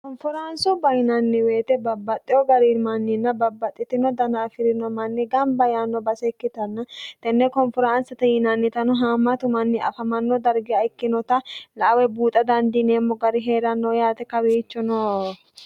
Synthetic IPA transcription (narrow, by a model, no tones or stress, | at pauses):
kɔnfʊɾansʊbɐjɪnɐnːɪweːt̪ɛbɐbːɐt̪ʼːɪjɔɡɐɾimɐnːɪnːɐbɐbːɐt̪ʼːɪt̪ːɪnɔd̪ɐnɐːfɪɾɪnɔmɐnːɪɡɐmbɐjaːnːɔbɐsɛkːɪt̪ɐnːɐt̪ɛnːɛkɔnfɔɾansɐt̪ɐjɪnɐnːɪt̪ɐnʊɦaːmɐt̪ʊmɐnːɪɐ̰fɐmɐnːɔd̪ɐɾɡɪɐɪkːɪnɔt̪ɐlɐʔɐwɛbuːt̪ʼɐd̪ɐnd̪ɪneːmːɔɡɐɾɪɦe̞ːɾɐnːɔːjaːt̪ɛkɐwiːt͡ʃːɔnoː